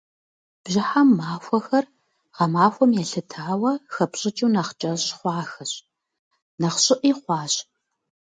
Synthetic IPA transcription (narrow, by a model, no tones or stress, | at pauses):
b̥ʑɪħamːaːfʷɔxɐr | ʁɐmaːxʷɔmjɛɬɨtʰaːwɐxɐpɕʼɪt͡ʃʼuːnɐχt͡ʃʼɐɕχʷɑːxɐɕ | nɐχɕʼɪʔiːχʷɑːɕ